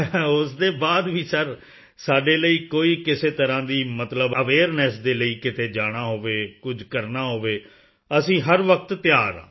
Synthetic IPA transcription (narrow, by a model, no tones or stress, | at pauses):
ʊsd̪eːbaːd̪ʋiːsəɾ | saːɖeːləiːkoːiːkɪseːt̪əɾãːd̪iːmət̪ləbəʋeːəɾnɛːsd̪eːləiːkɪt̪eːd͡ʒaːɽ̃aːɦoːʋeːkʊd͡ʒkəɾnaːɦoːʋeː | əsĩːɦəɾʋək̚t̪ːɪjaːɾã̰ː